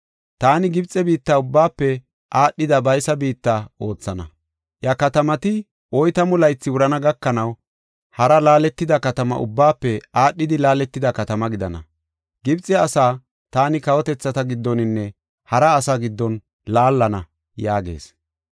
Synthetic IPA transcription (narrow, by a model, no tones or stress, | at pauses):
t̪aːnɪɡɪbt͡sʼːɛbiːt̪ːaʊbːaːpːɛ | ʔaːɗːɪd̪ɐbɐjsɐbiːt̪ːɐo̞ːt͡sːɐnɐ̰ | jɐkɐt̪ɐmɐt̪ɪ | ʔɔjt̪ɐmʊlɐjt͡sːɪwʊɾɐnɐɡɐkːɐnɐw | hɐɾɐlaːlɛt̪ːɪd̪ɐkɐt̪ɐmɐ̰ʔʊ̰bːaːpːɛaːɗːɪd̪ɪlaːlɛt̪ːɪd̪ɐkɐt̪ɐmɐɡɪd̪ɐnɐ̰ | ɡɪbt͡sʼːɛɐsaː | t̪aːnɪkɐwɔt̪ɛt͡sːɐt̪ɐɡɪd̪ːɔnɪnːɛ | hɐɾɐːsaːɡɪd̪ːɔn | laːlːɐnɐ | jaːɡe̞̰ːs